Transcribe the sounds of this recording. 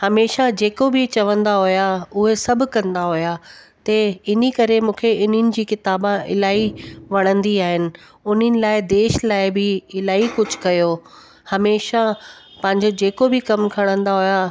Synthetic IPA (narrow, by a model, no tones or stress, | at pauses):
hɐmeːʃad͡ʑeːkobɪt͡ɕɐʋə̃nd̪aɦʊjaʊɦesɐbʱʊkɐ̃nd̪aɦʊja | t̪ɐɪnikɐɾemũːkʰeɪn̤ɪnɪ̆d͡ʑiːkɪt̪aːbãʔɪ̰laːiʋɐɽ̃ə̃nd̪iaːɦɪnɪ̆ | ʊn̤ənɪ̆laːɪd̪eːʃlaːɪbɪɪlaːikʊd͡ʑʱʊ̥kɐjoː | hɐmeːʃa | pɐ̃ɦɪ̃ɲd͡ʑod͡ʑeːkobɪkɐmkʰɐɽ̃ə̃nd̪aɦʊja